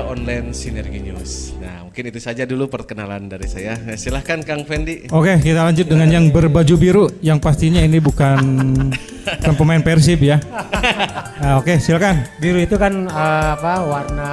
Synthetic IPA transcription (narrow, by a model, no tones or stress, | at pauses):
ɔnlansinɛrɡiɲṵsna̰muŋkɪnit̪usad͡ʒadulupərkənalandaɾisajasilahkankaŋfɛndiokekit̪alaɲd͡ʒʊt̪̚dəŋanjaŋbərbad͡ʒubiɾujaŋpast̪iɲainibukan | bukanpəmaɪnpɛrs̬ɪpja | okesilahkanbiɾuit̪ukanəapawarna